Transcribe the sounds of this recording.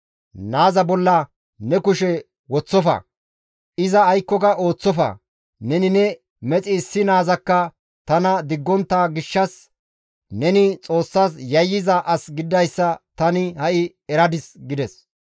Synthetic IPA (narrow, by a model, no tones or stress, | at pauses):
naːzɐbɔlːɐ | nɛkʊʃɛ | wɔt͡sːɔfɐ̰ | ɪzɐːjkːɔkɐʔo̞ːt͡sːɔfɐ̰ | nɛnɪnɛ | mɛt͡sʼɪːsːɪnaːzɐkːɐ | t̪ɐnɐd̪ɪɡːɔnt̪ːaːɡɪʃːɐs | nɛnɪt͡sʼo̞ːsːaːsjɐjːɪzɐʔɐsɡɪd̪ːɐjsːɐt̪ɐnɪhɐʔɪ | ɛɾɐd̪ɪsɡɪd̪ɛs